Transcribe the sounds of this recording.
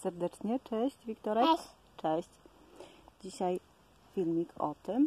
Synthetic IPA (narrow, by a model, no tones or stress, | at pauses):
sɛɾd̪ɛt͡ʂɲɛt͡ʂɛɕt͡ɕvʲikt̪ɔɾɛ | t͡ʂɛɕt͡ɕ | d͡ʑiɕaj | fʲilmʲikʰɔ̰t̪ɘm